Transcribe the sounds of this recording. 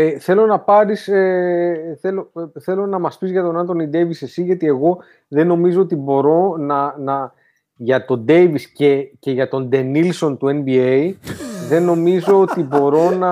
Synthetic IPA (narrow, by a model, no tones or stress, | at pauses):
eθe̞lo̞nɐpɐɾiseθe̞loθe̞lo̞nɐmɐspizʝɐt̪o̞nɐnt̪o̞nid̪e̞visesiʝɐt̪ie̞ɣo̞ | ðe̞no̞mizo̞ot̪̬ibo̞ɾo̞nɐnɐ | ʝɐt̪o̞d̪e̞jvisce̞ce̞ʝɐt̪o̞nd̪e̞nilso̞nt̪ue̞nbiejðe̞nːo̞mizo̞ot̪ibo̞ɾo̞nɐ